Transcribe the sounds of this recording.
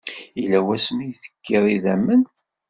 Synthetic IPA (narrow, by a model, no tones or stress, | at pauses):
ilæwæsmijθə̥kːiðˤiðæmːən